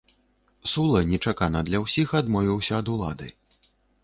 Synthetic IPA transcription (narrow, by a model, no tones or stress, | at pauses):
sulˠɐnʲɛt͡ʂakanɐd̪lʲɐwsʲixad̪mɔvʲiwsʲɐːd̪ulˠa̰d̪ɨ̰